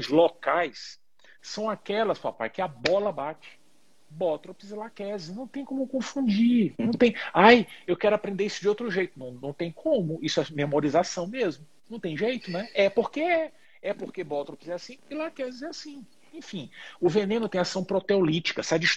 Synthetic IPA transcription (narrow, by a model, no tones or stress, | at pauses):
zlokajsː | ɐ̃w̃akɛlɐspa̰pa̰jkɪabɔlɐbat͡ʃɪ̥ | bɔt̪ɾopzɪlakɛzɪnɐ̃w̃t̪ẽj̃kõmʊkõfũd͡ʒinɐ̃w̃t̪ẽj̃ajewkɛɾʊapɾẽnd̪eɾisʊd͡ʒɪowt̪ɾʊʒejt̪ʊnɐ̃w̃nɐ̃w̃t̪ẽj̃kʰõmʊisʊɛmemoɾizasɐ̃w̃mezmʊnɐ̃w̃t̪ẽj̃ʒejt̪ʊnɛɛpoɾkeɛ | ɛpoɾkebɔt̪ɾopɪzɛasĩɪlakɛzɪzɛasĩ | ẽfĩʊvenẽnʊt̪ẽj̃asɐ̃w̃pɾot̪eolit͡ʃi̥kɐsad͡ʒiʃ